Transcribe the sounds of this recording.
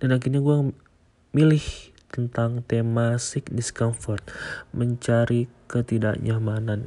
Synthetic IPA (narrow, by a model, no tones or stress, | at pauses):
d̥anakiɲaɡua | milɪh | t̪ənt̪aŋt̪emasɪk̚diskɔnfɔrt̪̚məɲt͡ʃaɾikət̪ida̰ʔɲamanan